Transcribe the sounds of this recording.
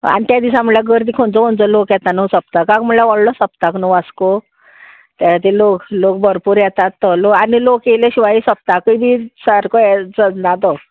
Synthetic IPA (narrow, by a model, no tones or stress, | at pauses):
a̰nit̪jad̪isam̤əlaɡəɾd̪ikʰont͡sɔont͡sɔlokjɛt̪anusəp̚t̪akãkm̤əlaʋɔɭlɔsəp̚t̪aknuʋasko | t̪aat̪iloklokbʱəɾpuɾjɛt̪at̪ːɔloanilokeleɕiʋajisəp̚t̪akəibisaɾkɔɛd͡zəd͡znat̪ɔ